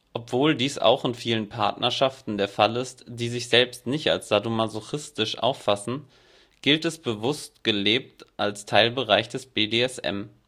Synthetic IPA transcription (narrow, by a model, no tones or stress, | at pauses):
ʔɔpv̥oːldiːsa̰ʊxɪnfiːlənpʰa̰ɐtnʔɐʃaftn̩deːɐfalɪstd̥iːzɪçz̥ɛlpstnɪçta̰lsz̥adomazoxɪstɪʃʔa̰ʊfːasn̩ | ɡ̥ɪltɛsb̥əvʊst̚ɡ̥əleːp̚tʔalstʰaɪlbəʁaɪçd̥ɛsb̥eːdeːɛsʔɛ̰m